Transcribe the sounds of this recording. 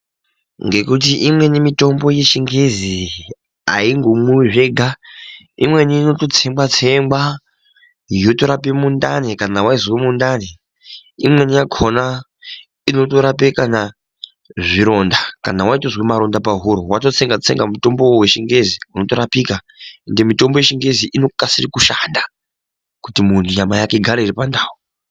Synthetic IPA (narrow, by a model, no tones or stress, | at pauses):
ŋɡe̞kut̬iʔimwe̞nimito̞mbo̞je̞ʃiŋɡe̞zi | aiŋɡomuʐe̞ɡʱa | ḭmwe̞niːno̞tot͡se̞mbwat͡se̞mba | joto̞ɾapemundanekanawaiziwemundane | imwe̞nijakʰona | ino̞to̞ɾap̬ekana | ʐiɾo̞ndakanawaitozwemaɾo̞ndapaɦuɾowatot͡se̞ŋɡat͡se̞̰ŋɡamuto̞mbo̞we̞ʃiŋɡe̞ziuno̞to̞ɾapika | ende̞mito̞mbo̞jeʃiŋɡe̞ziʔino̞kasirikuʃanda | kutimuntʰujamajake̞ɡʱaɾaiɾipandaːwu